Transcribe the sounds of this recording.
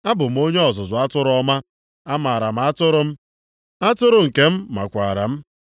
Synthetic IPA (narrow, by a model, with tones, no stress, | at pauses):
a˦bʊ˨m̩˦o˦ɲe˦ɔ˨zʊ˨zʊ˨a˦tʊ˦ɾʊ˦ɔ˦ma˦ | a˦ma˨ɾa˨m̩˨˦a˦tʊ˦ɾʊ˦m̩˦ | a˦tʊ˦ɾʊ˦˨ŋ̩˨ke˦m̩˦ma̰˨kʷa˨ɾa̰˨m̩˦